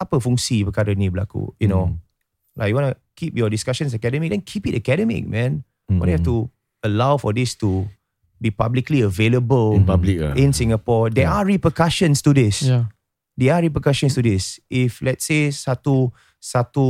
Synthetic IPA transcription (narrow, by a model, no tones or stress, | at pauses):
apəfɔ̃ŋsipəkadənibla̰kṵjuno | la̰kjuwɔ̃nəkʰip̚jɔdiskaʃə̃ns̬əkɛdəmik̚dɛ̃nkʰipitəkɛɾəmɪ̰k̚mɛ̃n | ɔ̰̃dhɛtu | əlawfɔdistu | bipablikliəveləbəlablikĩnsĩŋapɔdɛʔaɹipəkaʃə̃nstudis | deaɹipəkaʃə̃nstudisʔiflɛt̚sesatu | satu